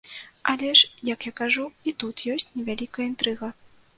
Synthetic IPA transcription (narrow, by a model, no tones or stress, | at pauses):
ʔalʲɛʂjɐkjakaʐuit̪ut̪jɔsʲt͡sʲnʲɛvʲalʲikɐjəint̪ɾɨɣɐ